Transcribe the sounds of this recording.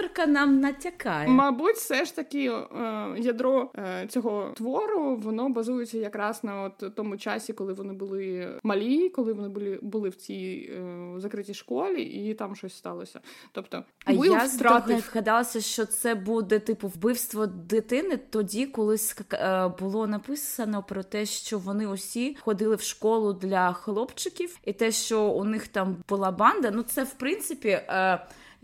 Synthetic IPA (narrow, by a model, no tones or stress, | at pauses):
rkɐnɑmnɐtʲɐkɑjmɐbutʲfsɛʃt̪ɐkʲɪ | jɐd̪ɾɔt͡sʲɔɦɔt̪ʋɔɾʊʋɔnɔbɐzujet͡sʲːɐjɐkɾɑsnɐɔt̪t̪ɔmʊt͡ʃɑsʲikɔlˠɪʋɔnɪbʊlˠɪmɐlʲijikɔlˠɪʋɔnɪbʊlʲibʊlˠɪwt͡sʲij | zɐkɾɪtʲiʃkɔlʲḭʔit̪ɑmʃɔsʲst̪ɑlˠɔsʲɐt̪ɔpt̪ɔ̰j̪t̪ɑɣɐd̪ɑlˠɐsʲɐʃt͡ʃɔt̪sɛbud̪ɛt̪ɪpʊwbɪwst̪ʋɔd̪ɪt̪ɪnɪt̪ɔdʲikɔlˠɪsʲbʊlˠɔnɐpɪsɐnɔpɾɔt̪ɛʃt͡ʃɔʋɔnɪɔsʲixɔd̪ɪlˠɪwʃkɔlˠʊd̪lʲɐxlˠɔpt͡ʃɪkʲiwit̪ɛʃt͡ʃɔʊnɪxt̪ɑmbʊlˠɑbɑnd̪ɐnut̪sɛwpɾɪnt̪sɪpʲi